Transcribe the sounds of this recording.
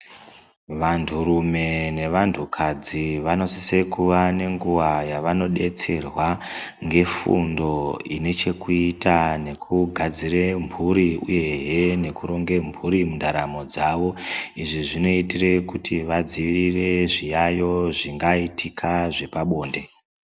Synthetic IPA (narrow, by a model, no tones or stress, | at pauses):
ʋantʰuɾume̞ne̞ʋantʰukʰad͡ziʋano̞sise̞kuʋane̞ŋɡuʋajaʋano̞ɗe̞t͡se̞rwaŋɡe̞fṵndo̞ine̞t͡ʃe̞kuitane̞kʰuɡʱad͡zirempuɾiṵje̞ɦene̞kuɾo̞ŋɡe̞mbʰʱuɾimundaɾamo̞d͡zaʋo̞iʐiʐino̞itire̞kutʰiʋad͡ziʋirire̞ʐijajo̞ʐiŋɡaitikʰaʐe̞paɓo̞ːnde̞